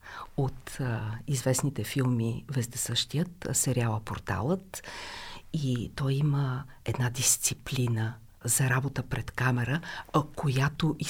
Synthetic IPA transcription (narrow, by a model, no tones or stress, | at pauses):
ot̪izvɛsnit̪ɛfilˠmivɛzd̪ɛsɤʃt̪ijət̪sɛɾʲjalˠəpo̰ɾt̪a̰lˠət̪ | it̪ɔjiməɛd̪nad̪ist̪siplinə | zɐɾabot̪əpɾɛt̪kamɛɾəkojat̪oʔi